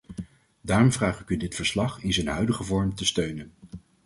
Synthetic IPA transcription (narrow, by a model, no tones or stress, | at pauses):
daːrɔmvraːχɪkydɪtfəɹslɑχɪnzənɦœɥdəχəvɔɹmtəstøɥnən